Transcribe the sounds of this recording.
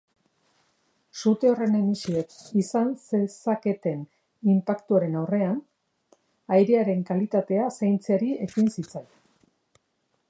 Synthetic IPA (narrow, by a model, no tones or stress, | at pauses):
sut̪e̞o̞re̞nenisiekisansesake̞t̪e̞n | impakt̪uaɾe̞nawre̞an | ajɾeaɾe̞ŋkalit̪at̪e̞asajnt͡seaɾie̞kinsit͡saj